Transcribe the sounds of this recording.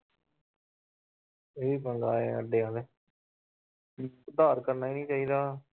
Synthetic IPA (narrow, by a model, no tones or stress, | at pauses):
eːiːpəŋɡaːeːəɖeːãːd̪eː | ʊd̪aːɾkəɾnaːiːnĩːt͡ʃaːiːd̪aː